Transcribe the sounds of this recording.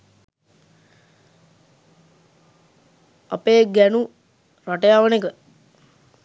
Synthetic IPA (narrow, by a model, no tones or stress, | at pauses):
a̰peːɡænu | ɾaʈejaːʋənekə